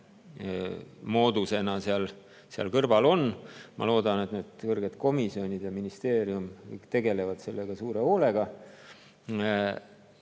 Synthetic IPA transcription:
mo̞ːd̪̥use̞nɑseɑl | seɑ̰lkɤrvɑlo̞nmʔɑ̰lo̞ːd̪̥ɑne̞t̪neːd̪̥kɤrɡ̥e̞d̪̥ko̞misio̞nʲid̪̥jɑminist̪e̞ːɾiumkɯ̰jkt̪e̞ɡ̥e̞le̞vɑd̪̥se̞lːe̞ɡ̥ɑsuːɾe̞o̞ːle̞ɡ̥ɑ

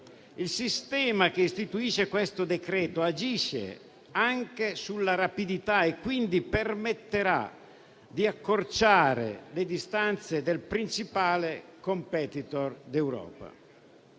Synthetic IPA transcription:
ilsist̪ɛːmak̟eist̪it̪uiːʃekwest̪od̪ekɾɛːt̪oad͡ʒiʃːḛ | aŋkesulːaɾapid̪it̪aekːwind̪ipermet̪ːeɾa̰ | d̪iakːort͡ʃaːɾḛled̪ist̪ant̪sed̪elpɾint͡ʃipaːlekompɛt̪it̪ord̪ɛwɾɔ̰ːpa̰

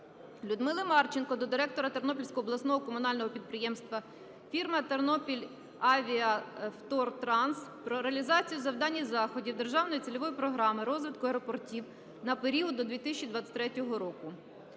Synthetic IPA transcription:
lʲʊd̪mɪlˠɐmɑrt͡ʃɪnkɔd̪ɔd̪ɪɾɛk̚t̪ɔɾɐt̪ernɔpʲilʲsʲkɔɦɔːblˠɐsnɔɦɔkɔmʊn̪ɑlʲnɔɦɔpʲid̪̚pɾɪjɛmst̪ʋɐ | fʲirmɐt̪ernɔpʲilʲ | ɑʋʲiɐft̪ɔrt̪ɾɑnspɾɔɾeɐlʲizɑt͡sʲijʊzɐwd̪ɑnʲːizɑxɔdʲiwd̪erʒɑwnɔjt͡sʲilʲɔʋɔjipɾɔɦɾɑmɪɾɔzʋɪt̪kʊeɾɔpɔrtʲiw | nɐpeɾʲiɔd̪̚d̪ɔd̪ʋʲit̪ɪsʲt͡ʃid̪ʋɑt̪t͡sʲːɪ̥t̪ʲɾɛtʲɔɦɔɾɔkʊ

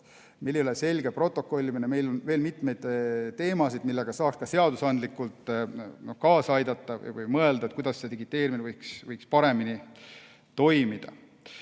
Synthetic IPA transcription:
meljolese̞lʲɡe̞pro̞t̪ːˑo̞kːˑo̞lʲːimineme̞jlo̞nve̞ːlmit̪me̞jd̪̥t̪ːe̞ːmɑsid̪̥̚milːe̞ɡ̥ɑsɑːkskɑse̞ɑd̪usɑnd̪likːˑult̪ˑnokɑːsɑjd̪̥ɑt̪ːˑɑ̰jvɯ̰jmɤe̞ld̪̥ɑet̪̚kujd̪̥ɑsːed̪iɡ̥it̪ːˑe̞ːɾiminevɯjksvɯjkspɑɾe̞mini | t̪o̞jmid̪̥ɑ

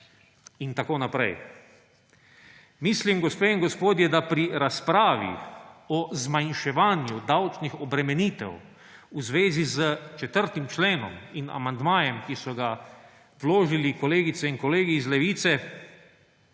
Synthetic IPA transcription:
int̪akoːnapɾɛ̰j | mislimɡɔspeːiŋɡospoːd̪jɛd̪apɾiɾaspɾaːʋḭɔzmajnʃɛʋaːnjud̪awt͡ʃnixɔbɾɛmɛniːt̪ɛ̰w | uzʋeːzizət͡ʃɛt̪əɾt̪imt͡ʃleːnɔ̰mina̰mand̪maːjɛmkisɔɡa | ʋloːʒilikɔleːɡit̪sɛinkɔleːɡiːzlɛʋiːt̪sɛ

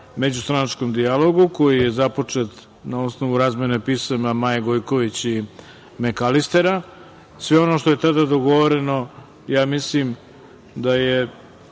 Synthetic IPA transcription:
me̞d͡ʑust̪ɾanat͡ʂko̞md̪ialo̞ɡuko̞jije̞zapo̞t͡ʂe̞t̪ | naosno̞ʋuɾaːzme̞nepiːsamamajeɡo̞jkoʋit͡ɕi | mekalist̪e̞ɾa | sʋeo̞no̞ʃt̪o̞je̞t̪ad̪ad̪o̞ɡo̞ʋo̞ɾe̞no̞ | jaːmislim | d̪aje

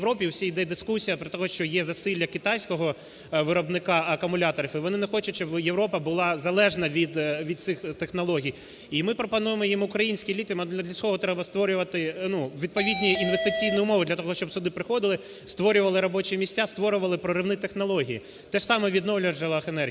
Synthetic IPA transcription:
ɾɔpʲiwsʲijd̪ɛd̪ɪskusʲijɐpɾɪt̪ɔɦɔʃt͡ʃɔjɛzɐsɪlʲːɐkɪt̪ɑjsʲkɔɦɔ | ʋɪɾɔbnɪkɑɐkʊmʊlʲɑt̪ɔɾɐfɪʋɔnɪnɛxɔt͡ʃɐtʲt͡ʃɔbjeʋɾɔpɐbʊlˠɑzɐlˠɛʒnɐʋʲid̪ʋʲid̪̚sɪxt̪exnɔlˠɔɦʲij | imɪpɾɔpɐnujemɔjimʊkɾɐjinʲsʲkijlʲit̪ʲmɐd̪lʲɐd̪lʲɐsʲkɔɦɔt̪ɾɛbɐst̪ʋɔɾʲʊʋɐt̪ɪnuʋʲid̪̚pɔʋʲid̪ʲnʲiinʋest̪ɪt͡sʲijnʊjʊmɔʋɪd̪lʲɐt̪ɔɦɔʃt͡ʃɔbsʊd̪ɪpɾɪxɔd̪ɪlˠɪ | st̪ʋɔɾʲʊʋɐlˠɪɾɔbɔt͡ʃimʲisʲtʲast̪ʋɔɾʊʋɐlˠɪpɾɔɾɪʋnɪt̪exnɔlˠɔɦʲiji | t̪ɛʂsɑmɛʋʲid̪nɔwlʲɐʒɐlˠɐxenɛ

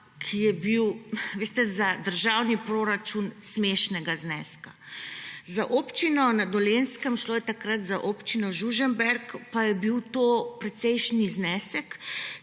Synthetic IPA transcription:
kʰijɛbiwʋeːst̪ɛzad̪əɾʒawnipɾoːɾat͡ʃunsmeʃnɛɡaznɛːska | zaʔoːpt͡ʃinɔnad̪ɔleːnskɛmʃloːjɛt̪akɾat̪zaʔopt͡ʃinɔʒuʒɛmbɛɾkpajɛbiwt̪opɾɛt̪sɛjʃniznɛːsɛk

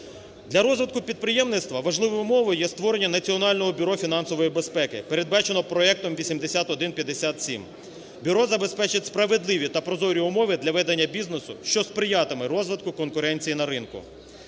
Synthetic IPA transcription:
d̪lʲɐɾɔzʋɪd̪̚kʊpʲid̪̚pɾɪjɛmnɪt̪st̪ʋɐʋɐʒlˠɪʋɔjʊmɔʋɔjʊjɛst̪ʋɔɾenʲːɐnɐt͡sʲiɔnɑlʲnɔɦɔbʲʊɾɔfʲin̪ɑnsɔʋɔjibe̞spɛkɪpeɾe̞d̪̚bɑt͡ʃenɔpɾɔɛk̚t̪ɔmʋʲisʲimd̪esʲat̪ɔd̪ɪnpʲjɐd̪esʲat̪sʲḭm | bʲʊɾɔzɐbe̞spɛt͡ʃɪtʲspɾɐʋed̪lˠɪʋʲit̪ɐpɾɔzɔɾʲiʊmɔʋɪd̪lʲɐʋɛd̪ɐnʲːɐbʲiznesʊ̰ʃt͡ʃɔspɾɪjɑt̪ɪmɪɾɔzʋɪd̪̚kʊkɔnkʊɾɛnʲt͡sʲijinɐɾɪnkʊ̰

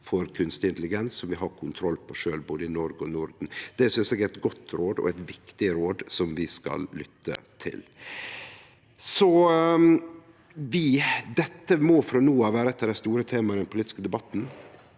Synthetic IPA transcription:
fɔɾkʰʉnst̪ɪnt̪əlɪɡɛnsɔmʋɪɦɑɾkʰʊnt̪ʰɾɔlːpʰɔʂøːlboːd̪əɪnɔɾɡəɔnʊɾd̪n̩d̪̥ɛsʏnsɛːɡæt̪ɡɔt̪ːɾoːd̪ɔ̰æɪt̪ʋɪkt̪ɪɾoːd̪sɔmʋɪskɑ̰lːʏt̪ʰːə̰t̪ʰɪ̰l | sɔ | ʋɪd̪ɛt̪ːəmɔfɾɑnuːɑʋæːɾəɛt̪ːəɖæɪst̪uːɾət̪ʰeːmɑəɾd̪ɛnpʰʊliːt̪ɪ̥skəd̪ɛbɑt̪ːn̩

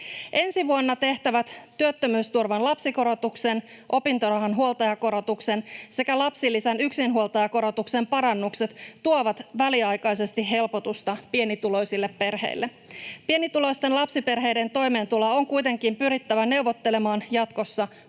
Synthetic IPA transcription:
ʔe̞nsiʋuonːɑt̪e̞ht̪æʋæt̪t̪ːyøt̪ːømyːst̪urʋɑnlɑpsiko̞ɾo̞t̪uksen | ʔo̞pint̪oɾrɑɦɑnɦuolt̪ɑjɑko̞ɾo̞t̪ukse̞nse̞kælɑpsilːisænyksinɦuolt̪ɑjɑko̞ɾo̞t̪ukse̞mpɑɾɑnːukse̞t̪ːuoʋɑt̪ʋæliɑjkɑjse̞st̪iɦe̞lpot̪ust̪ɑpienit̪ulo̞jsilːe̞ppe̞rhḛilːe | pie̞nit̪ulo̞ist̪enlɑpsipe̞rɦe̞jde̞nt̪o̞jme̞ːnt̪ulɑo̞ŋkujt̪e̞ŋkimpyɾit̪ːæʋæne̞wʋot̪ːe̞le̞mɑːnjɑt̪ko̞sːɑ

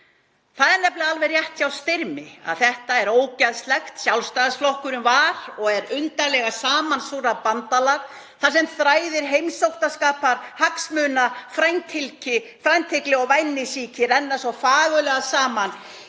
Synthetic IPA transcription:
θaðɛɾnɛplɪalvɛrjɛht̪çawst̪ɪɾmɪa̰ðθɛht̪aɛɾoːwcaðst̪lɛxt̪sjawlst̪aːðsflɔhkʏɾʏmvaɾɔɣɛɾʏnt̪alɛɣasaːmansuɾapant̪alaɾ̥ | θaɾ̥sɛmθɾaːjðɪɾɦejmsowht̪askaːpaɾ̥haksmʏːnafɾajnt̪ʰɪlcɪ | fɾajnt̪ʰɪklɪɔɣvajnːɪsiːcɪɾɛnːasɔfaːɣʏlɛɣasaːman

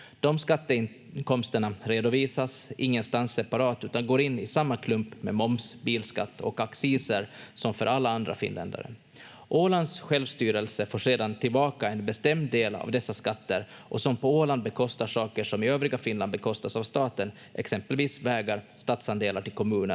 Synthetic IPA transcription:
d̪̥ɔmskat̪ːəɪ | kɔmst̪əɳaɾeːd̪ʊviːsasʔɪŋːənst̪ansːɛpaɾɑːt̪ʉ̟ːt̪anɡoːɾɪnːɪsamːakʰlɵmpmɛmɔmsbiːlska̰t̪ːɔ̰kaksiːsəɾsɔmfœ̰ɾʔalːaand̪ɾa̰fɪ̰nlɛ̰nd̪a̰ɾə̰ | ʔoːland̪sɧɛlvst̪yːɾəlsəfoːʂeːd̪ant̪ʰɪlbɑːkaɛnbɛst̪ɛmd̪ːeːla̰vd̪ɛsːaskat̪ːəɾ | ʔɔsɔmpɔoːland̪̚bɛkʰɔst̪aʂɑːkəʂɔmɪøːvɾɪɡafɪnland̪bɛkʰɔst̪asavst̪ɑːt̪ən | ʔɛ̰ksɛmpəlviːsvɛːɡaɾst̪ɑːt̪sand̪eːlaʈɪlkʰɔmʉ̟ːnəɾ

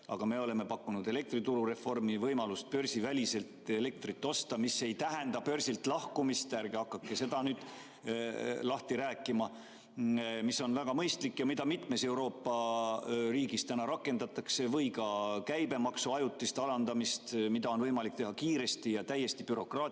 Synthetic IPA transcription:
ɑ̰ɡ̥ɑme̞o̞le̞me̞pɑkːunud̪e̞le̞k̚t̪rit̪uɾuɾe̞fo̞rmivɤjmɑlust̪̚pø̞rsivælʲise̞lt̪e̞le̞k̚t̪rit̪ːo̞st̪ɑmisːe̞jt̪æɦend̪̥ɑpø̞rsilt̪ˑlɑhkumist̪æɾɡeɑkːɑkːese̞d̪̥ɑnyːd̪̥ | lɑht̪iɾæːkˑːimɑ | misːo̞nvæɡ̥ɑmɤjst̪likːjɑmid̪ɑmit̪ˑme̞se̞uwɾo̞ːpːɑ | riːɡist̪ænɑɾɑkːˑe̞nd̪̥ɑt̪ːˑɑkse̞vɤjkɑkæjbe̞mɑksuɑjut̪ːˑist̪ɑlɑnd̪ɑmist̪mid̪̥ɑo̞nvɤjmɑlikt̪e̞hɑkiːɾe̞st̪ijɑt̪æje̞st̪ipyɾo̞krɑː

